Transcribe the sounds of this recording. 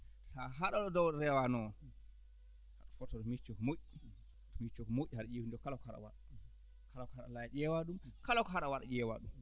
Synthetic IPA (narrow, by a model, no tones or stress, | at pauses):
taɦaɗaɗɔdɔwɗɾɛwanɔn | aɗɔfɔtɔtɔmit͡ʃːɔkɔmoʔːi | tɔmit͡ʃːɔkɔmoʔʲːihaɗaewindɔkalakɔhaɗa̰wa̰ɗa | kʰalakɔhaɗa̰lajaʔɛwaɗumkalɔkɔɦaɗawaɗa̰d͡ʒɛwa̰ɗum